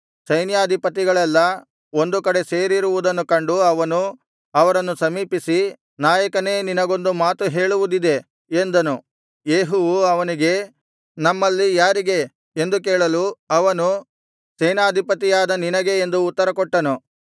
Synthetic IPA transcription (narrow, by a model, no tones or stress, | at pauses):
sɐjnjaːd̪ʱipɐt̪̬iɡɐɭɛlːɐ | o̞nd̪ukɐɽe̞se̞ːɾiɾuʋud̪ɐnːukɐɳɖuɐʋɐnu | ɐʋɐɾɐnːusɐmiːpisi | naːjɐkɐne̞ːninɐɡo̞nd̪umaːt̪uɦe̞ːɭuʋud̪id̪e̞ | end̪ɐnu | jeːɦuʋuɐʋɐniɡe̞ | nɐmːɐlːijaːɾiɡe̞ | end̪uk̬eːɭɐluɐʋɐnu | sɐjnaːd̪ʱipɐt̪̬ijaːd̪ɐninɐɡe̞ːnd̪uːt̪ːɐɾɐkɔʈːɐnu